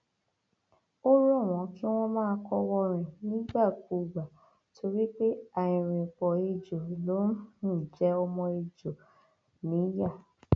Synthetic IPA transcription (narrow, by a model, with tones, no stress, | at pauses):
o˦ɾũ˦ɔ˦˨w̃ɔ̃˨˦ki˦w̃ɔ̃˦mãː˦kɔ˧wɔ˧ɾ̃ĩ˨nĩ˨˦ɡ͡ba˦˨ku˨ɡ͡ba˨ | tʰo˧ɾi˦k͡pe˦a˨j̃ĩ˨ɾ̃ĩ˨k͡pɔ˨e˧d͡ʒo˨lo˨˦hũ˦˨d͡ʒɛ˨˦ɔ˧mɔ̃˧e˧d͡ʒo˨ | nĩ˨˦ja˦˨